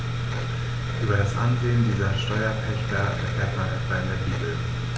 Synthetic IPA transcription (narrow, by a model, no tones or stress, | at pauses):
ʔyːbɐɾasʔa̰nzeːəndiːzɐʃtɔʏɐpʰɛçtɐʔɛ̰ɐkʰleːɐtmanʔɛtv̥ɐɪndeːɐbiːtl̩